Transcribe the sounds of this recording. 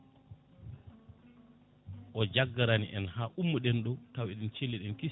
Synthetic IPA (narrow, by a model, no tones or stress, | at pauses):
ʔɔd͡ʒaɡːaɾanḭʔɛnhaːʔumːuɗɛnɗɔtawɛɗɛnt͡ʃelːiɗɛnki